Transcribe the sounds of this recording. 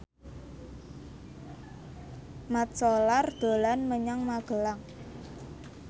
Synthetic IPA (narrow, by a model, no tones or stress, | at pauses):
mat̪̚solard̪̥o̤lanməɲaŋmaɡ̥ə̤laŋ